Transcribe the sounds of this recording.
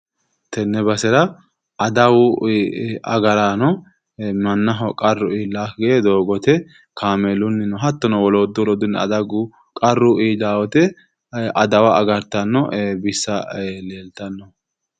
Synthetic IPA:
t̪ɛnːɛbɐsɛɾɐ | ɐd̪ɐwʊ | ɐ̰ɡɐɾaːnɔ | mɐnːɐɦɔkʼɐrːʊiːlːaːkɡeed̪o̞ːɡɔt̪ɛ | kʰaːmɛlʊnːɪnɔɦɐt̪ːɔnɔwɔloːd̪ʊwlɔːd̪ʊnːɛɐd̪ɐɡʊ | kʼɐrːʊʔiːlːaːwɔt̪ɛ | ɐd̪ɐwɐʔɐɡɐɾt̪ɐnːɔbɪsːɐleːlt̪ɐnːɔ

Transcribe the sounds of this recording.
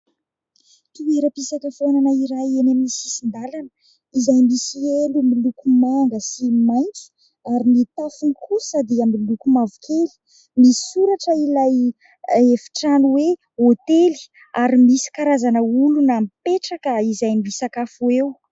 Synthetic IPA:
t̪ueɾəpisakəfonanəiɾajenaminisisind̪alanə | izajmisielumilukumaŋɡəsimajnt͡su̥ | aɾinit̪afunikʰusad̪iamilukumavukʰeli̥ | misi̥suɾaʈ͡ʂəilaj | efi̥ʈ͡ʂanuwe | ot̪eli̥ | aɾimisi̥kaɾazanəulunamipeʈ͡ʂakəizajmimisakafuew

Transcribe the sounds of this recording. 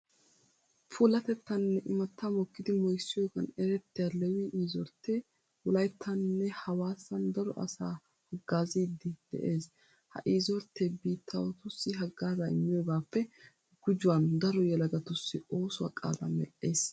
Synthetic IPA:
fʰuːlɐt̪ɛt̪ːɐnːɛʔɪmɐt̪ːaːmɔkːɪd̪ɪmɔjsːɪjɔɡɐnɛɾɛt̪ːɪjalɛwiːʔiːzɔɾt̪ʰːeː | wʊlɐjt̪ʰːɐnːɛhɐwaːsːɐnd̪ɐɾɔ̰ʔɐ̰saː | hɐɡːaːziːd̪ːɪd̪̥ɛ̰ʔe̞ːs | hɐ̰ʔiːzɔɾt̪ːeːbiːt̪ʰːɐwɔt̪ʊsːɪɦɐɡːaːzaɪmːɪjɔːɡaːpːɛ | ɡ̥ʊd͡ʒʊwɐnd̪ɐɾɔjɛlɐɡɐt̪ʊsːɪo̞ːsʊwa̰kʼa̰ːlɐ̰mɛ̰ʔːe̞ːs

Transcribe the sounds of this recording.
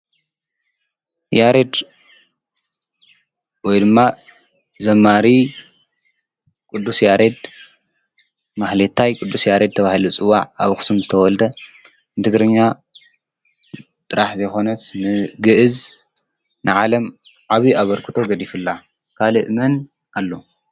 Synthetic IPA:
jaɾed̪ | wɔjd̪ɨmːa | zɐmːaɾi | kʼud̪ːusjaɾed̪ | maxlet̪ʰːajkʼud̪ːusjaɾed̪̚t̪ʰɐβahilut͡sʼɨwːa̰ʕaβxɨ̥sumzɨt̪ʰɐwɔld̪ɐ | nɨt̪ʰɨɡɾɨɲːa | t̪ʼɨɾaħzɐjxo̞nɐsnɨɡɨʔɨz | nɨʕalɐm | ʕaβiʔaβɐɾkʰɨt̪ʰo̞ɡɐd̪ifɨlːa | kʰalɨʔmɐn | alːo̞

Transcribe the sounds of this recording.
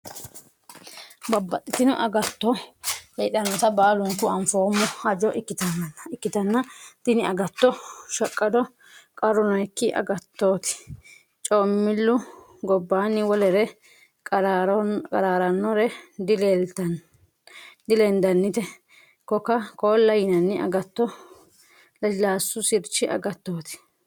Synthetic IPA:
bɐbːɐt̪ʼːɪt̪ɪnʊ̰ʔɐɡɐt̪ːɔhɛːɗɐnɔt̪ɐbaːlʊŋkʊɐɱfoːmːɔɐd͡ʒɔʔɪkːɪt̪ɐnnɪkːɪt̪ɐnːɐd̪̥ɪnɪɐɡɐt̪ːɔʃɐkʼːɐd̪ɔ | kʼɐɾʊnɔjkːɪʔɐ̰ɡɐt̪ːo̞ːt̪ɪ̥ | t͡ʃʼoːmːɪlːʊ | ɡɔbːaːnːɪwɔlɛɾɛ | ɾkʼɐɾaːɾɐnːɔɾɛd̪ɪlɛt̪ɐn | d̪ɪlɛnd̪ɐnːɪt̪ɛ | kɔkɐkoːlːɐjɪnɐnːɪɐ̰ɡɐt̪ːɔ | lɐlaːsːʊsɪɾt͡ʃːɪʔɐ̰ɡɐt̪ːoːt̪ɪ̥

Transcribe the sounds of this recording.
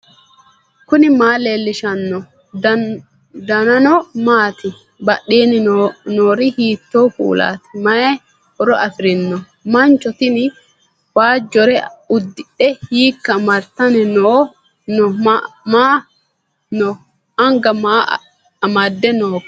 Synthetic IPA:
kʊnɪmaːleːlːɪʃɐnːɔ | d̪ɐnɐnɔmaːt̪ɪ | bɐɗːeːnɪnoːɾɪhiːt̪ːoːfṵːla̰ːt̪ɪ̥mɐjɛ | ɔɾɔʔɐfɪɾɪnːɔ | mɐnt͡ʃːɔt̪ɪnɪ | waːd͡ʒːɔɾɛʊd̪ːɪɗɛhiːkːɐmɐɾt̪ːɐnɛnɔ | nɔmaː | nɔ | ɐŋɡɐma | ɐmad̪ːɛnɔk

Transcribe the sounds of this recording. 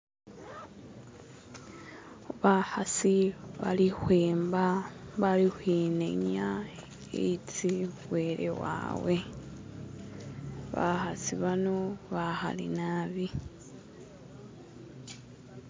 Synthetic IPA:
oβahasiβalixweːmbaβalixwinḛɲa | ḛit͡siwweːɾḛwa̰ːwe | βa̰xasiβanoβaxa̰lḭnaβi

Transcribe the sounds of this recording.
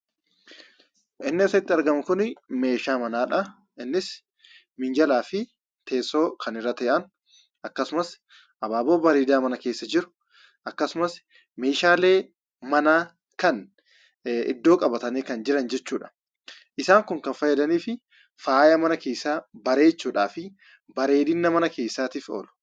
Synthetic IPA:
ʔɪnːɪsɪt̪ːɪɐɾɡɐmʊkʊnme̞ːʃaːmɐnaːᶑɐ | ɪnːɪs | mɪnd͡ʒɐlaːfɪ | t̪ʰe̞ːsːo̞ːkʰɐnɪrːɐt̪ɐɛʔɐn | ɐkːɐsʊmɐs | ʔɐbaːboːbɐɾiːd̪aːmɐnɐke̞ːsːɐd͡ʒɪɾʊ̥ | ʔɐkːɐsʊmɐs | me̞ːʃaːle̞ː | mɐnaː | kɐn | ɪ̰d̪ːo̞ːkʼɐbɐt̪ɐneːkɐnd͡ʒɪɾɐnd͡ʒɛt͡ʃːuːᶑɐ̥ | ʔɪsaːŋkʊŋkɐnfɐjːɛd̪ɐniːfɪ | faːjɐmɐnɐke̞ːsːaːbɐɾe̞ːt͡ʃːuːᶑaːfɪ | bɐɾe̞ːd̪ɪnːɐmɐnɐke̞ːsːaːt̪iːfo̰ːlʊ̥

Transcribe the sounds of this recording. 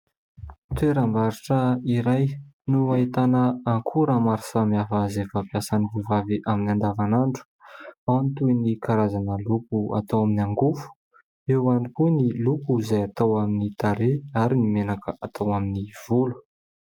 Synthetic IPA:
t̪eɾambaɾiʈ͡ʂəiɾajnuait̪anəaŋkʰuɾamaɾi̥samiafazefapjasanilivaviʔaminand̪avanaɳɖ͡ʐu̥awnit̪uinikʰaɾazanəlukua̰t̪awaminaŋɡufu̥ | ewanikunilukuzajat̪awaminit̪aɾeaɾinimenakəʔat̪ʰawaminiv̥ulu̥

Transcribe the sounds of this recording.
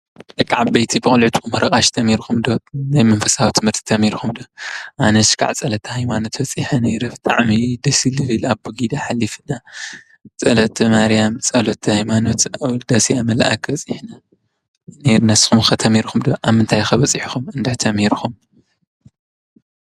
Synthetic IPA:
bɨkʼaʕbbejt̪ʰibɨxʼɨlʕut̪xʰumhɨɾɐkʼaʃt̪ʰɐmːiɾxumd̪onajmɐnfɐsawit̪ʰɨmhɨɾt̪ʰi̥t̪ʰɐmiɾxumd̪oʔanɐʃkʰʼa̰ʕt͡sʼɐlɐt̪ʰːɐhajmanot̪bɐt͡sʼiħɐneɾɐft̪ʼaʕmid̪ɐsilɨlɨlaβbuɡid̪aħalːifɨna | t͡sʼɐlɐt̪ʰɐmaɾjamt͡sʼɐlɐt̪ʰːɐhajmanot̪wd̪ɐsiamɐlʔa̰kbɐt͡sʼiħna | neɾnɐsxumxɐt̪ʰɐmiɾxumd̪oʔaβmɨnt̪ʰajxɐβɐt͡sʼiħxumɨnd̪ɐt̪ʰɐmiɾxum

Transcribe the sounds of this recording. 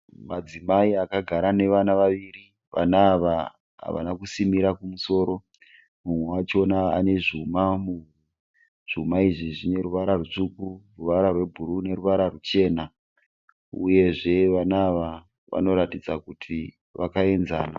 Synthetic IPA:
mad͡zimaiakaɡʱaɾane̞ʋanaʋaʋiri | ʋa̰naːʋa | ɦa̰ʋa̰nakusimiɾakumuso̞ːɾo̞ | mumwewat͡ʃonaa̰ne̞ʐumamumwe | ʐ̥umaiʐiʐine̞ɾuʋaɾarut͡ʂukuruʋaɾarwe̞bʱuɾune̞ruʋaɾarut͡ʃe̞ːna | ṵje̞ʐe̞ʋanaːʋa | ʋa̰no̞ɾatid͡zakutʰi | ʋakae̞nza̰ːna

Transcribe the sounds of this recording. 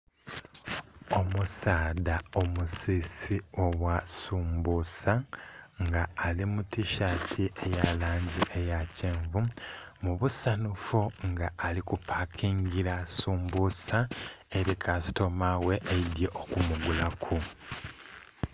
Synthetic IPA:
o̞musaːdao̞musisio̞βwasuːmbusaŋɡaːlimutiʃatʰiʔejalaːɲɟiʔejacʰeːɱvu | muβusanufuŋɡaʔːlikupʰakʰiːɲɡiɾasuːmbusaeɾikʰasi̥to̞maweʔːjidjeʔokumuɡulakʰu

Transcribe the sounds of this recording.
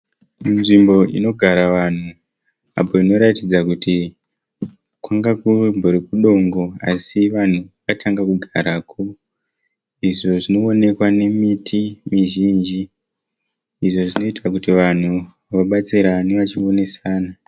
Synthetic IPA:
munʐimbo̞ʔḭno̞ɡʱaɾaʋan̤u | a̰po̞ino̞ɾatid͡zakuti | kwaŋɡakumboɾekuɗo̞ŋɡo̞asiʋan̤uʋakatʰaŋɡakuɡʱaɾaːkʰo | iʐo̞ʐino̞ːne̞kwane̞mitʰimiʒiːnd͡ʒi | ʐo̞ʐino̞itʰakutiʋan̤u | ʋaɓat͡siɾaniʋat͡ʃio̞ne̞saːna

